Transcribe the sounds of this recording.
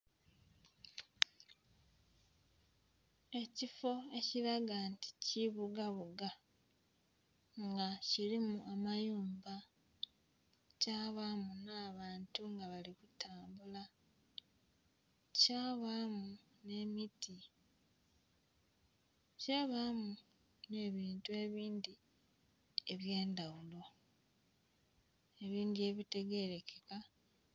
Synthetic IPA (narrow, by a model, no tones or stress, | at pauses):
e̞cifo̞e̞ciɾaɡanti̥ciβuɡaβuɡa | ŋɡacilimuʔamajuːmba | caːβamunaːβaːntuŋɡaβalikutʰaːmbula | caːβaːmu | ne̞miti | caːβaːmu | ne̞ːβiːntue̞ːβiːndi | eβje̞ːndawulo̞ | e̞βiːndie̞βite̞ɡe̞ɾe̞keka